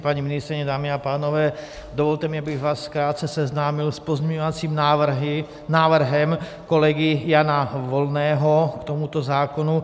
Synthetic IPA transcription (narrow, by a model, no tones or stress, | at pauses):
paɲiminist̪ɾiɲɛd̪aːmiapaːnɔʋɛː | d̪ɔʋɔlt̪ɛmiabiɣʋaːsfkɾaːt̪̚t͡sɛsɛznaːmilspɔzmɛɲɔʋat͡simɦ | naːʋr̩ɦɛm | kɔlɛɡijaːnaʋɔlnɛːɦɔkt̪ɔmut̪ɔzaːkɔnu